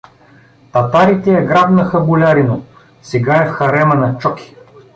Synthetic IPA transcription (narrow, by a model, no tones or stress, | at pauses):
t̪ɐt̪aɾit̪ɛjɐɡɾabnɐxɐbulʲaɾino | sɛɡaɛfxɐɾɛmɐnɐt͡ʃɔki̥